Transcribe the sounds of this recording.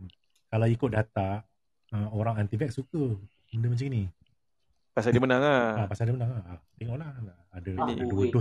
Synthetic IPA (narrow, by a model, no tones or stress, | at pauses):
kalawikʊt̪̚dat̪a | əoɾaŋant̪ifɛk̚sukə | məndəmat͡ʃaŋini | pasadimənaŋaapasadəmənãŋaːt̪ɛŋɔʔlahlaːdaduədʊ